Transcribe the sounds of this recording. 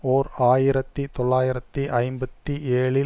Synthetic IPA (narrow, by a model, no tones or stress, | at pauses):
oːɾaːjɪɾɐt̪ːit̪ɔɭːaːjɪɾɐt̪ːiʔɐɪmbɐt̪ːieːɭɪ